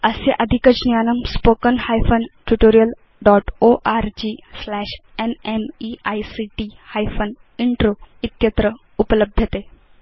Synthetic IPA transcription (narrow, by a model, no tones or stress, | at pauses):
əseʔəd̪ʱikəd͡ʑnjanəmspokənhajfənʈuʈoɾijəl | ɖɔʈoʔaɾd͡ʑiːslæɕenemiajsiʈihajfən | iɳʈɾoit̪jət̪ɾə | upələb̚d̪ʱjət̪e